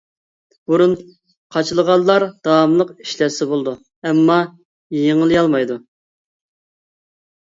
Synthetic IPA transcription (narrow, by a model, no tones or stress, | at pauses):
b̥uɾun | qʰɑt͡ʃʰɨlˠəʁɑlˠːɑɾd̪̥ɑwɑmlˠəqi̥ʃlɛɾsɪbolˠd̪u | ɛmːɑ | jeŋɨlˠijɑlˠmɑjd̪u